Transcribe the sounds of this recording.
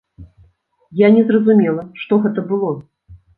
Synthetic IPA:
janʲɛzrɐzumʲɛlˠɐʂt̪ɔɣɛt̪ɐbɨlˠɔ

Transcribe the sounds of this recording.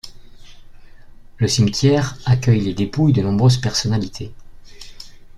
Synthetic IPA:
ləsimt̪jɛʁakʲœjled̪epujd̪ənɔ̃bʁøzpɛʁsɔnalit̪ʰe

